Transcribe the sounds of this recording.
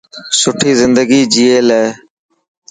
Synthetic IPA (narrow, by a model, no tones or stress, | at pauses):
sʊʈʰiːzɪnd̪əɡiːd͡ʒiːeːleː